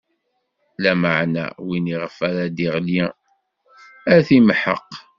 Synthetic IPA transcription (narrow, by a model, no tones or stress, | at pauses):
læməʕnæ̰winiʁəfæɾæd̪iʁljæ | æθimħə̰qː